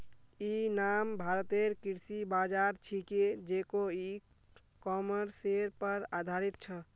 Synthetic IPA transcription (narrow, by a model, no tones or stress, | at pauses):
inambʱaɾət̪eɾkiɾsibad͡ʒaɾt͡ʃʰiked͡ʒekoi | kɔməɾseɾpəɾad̪ʱaɾit̪̚t͡ʃʰə